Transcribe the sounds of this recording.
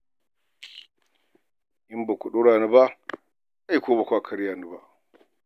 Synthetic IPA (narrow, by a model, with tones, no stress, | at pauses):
ʔɪ˦mba˨kʷʊ˨ɗu˦ɽaː˨nu˦ba˦ | a˦ji˨kʷoː˦ba˨kʷaː˨kʰɐ˦ɽjaː˨nu˨ba˨ʔ